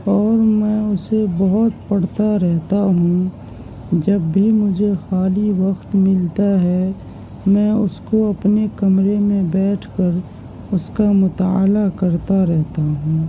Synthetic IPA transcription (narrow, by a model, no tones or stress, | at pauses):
ɔːɾmɛ̃ːʊsebɔɦʊt̪pɐɽ̤t̪aɾɛɦt̪aɦũː | d͡ʒɐbːʱimʊd͡ʒʱexaːliʋɐxt̪mɪlt̪aɦɛ | mɛ̃ːʊskoɐpnekɐmɾemẽbɛːʈʰkəɾ | ʊskamʊt̪aːlakəɾt̪aɾɛɦt̪aɦũː